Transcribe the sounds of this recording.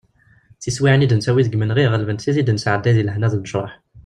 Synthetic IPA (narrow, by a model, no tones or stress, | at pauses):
θiswiʕnid̪ənsæwiðəɡmənʁiʁəlvənsizid̪ənəsʕəd̪ːæðilhnæðlnəʃɾˤɑ̰ħ